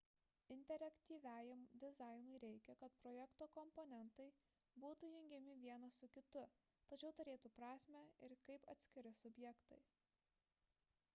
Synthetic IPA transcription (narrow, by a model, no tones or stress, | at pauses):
ɪnʲt̪ʲɛɾʲɐkʲt̪ʲiːʋʲæːjɪmd̪ʲɪzɑɪnʊɪɾʲɛɪkʲɛkɐt̪pɾɔjɛkt̪oːkɔmpɔnʲɛnt̪ɐɪ | buːt̪ujʊŋʲɡʲɛmʲɪʋʲiɛnɐsʊkʲɪt̪ʊ | t̪ɐt͡ʃʲɛʊt̪ʊɾʲeːt̪uːpɾɑːsʲmʲɛɪɾkɐɪpɐ̰t̪ʲsʲkʲɪɾʲɪsʊbʲjɛkt̪ɐ̰ɪ